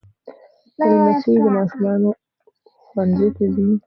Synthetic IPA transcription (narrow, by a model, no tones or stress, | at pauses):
almased̪əmɑʃumɑno | xwanzet̪azi